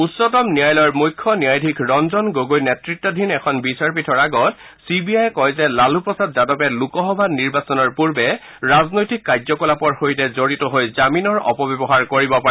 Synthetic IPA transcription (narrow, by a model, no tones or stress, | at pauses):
usɔtɔmnijajlɔɹmujkʰːɔnijajdʱikʰɹɔnzɔnɡoɡojnɛtɹitːɔdʱinɛkʰɔnbisaɹpitʰɔɹaɡɔt | sibiajkɔjzɛlalupɹɔsadzadɔpɛlukɔxɔbʱaniɹbasɔnɔɹpuɹbɛ | ɹaznojtikːazɔkɔlapɔɹxojtɛzoɹitɔɦojzaminɔɹɔ̰pɔbɔbɔɦaɹkoɹibɔpa